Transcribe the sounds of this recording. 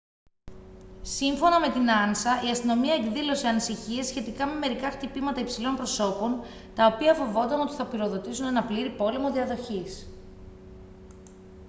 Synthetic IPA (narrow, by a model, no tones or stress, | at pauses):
siɱfo̞nɐme̞t̪inɐnsɐiɐst̪ino̞miɐekðilo̞se̞ɐnisiçie̞sçe̞t̪ikɐme̞me̞ɾikɐxt̪ipimɐt̪ɐipsilo̞mpɾo̞so̞po̞n | t̪ɐopiɐfo̞vo̞nd̪ɐno̞t̪i̥θɐpiɾo̞ðo̞t̪isune̞nɐpliɾipo̞le̞mo̞ðiɐðo̞çis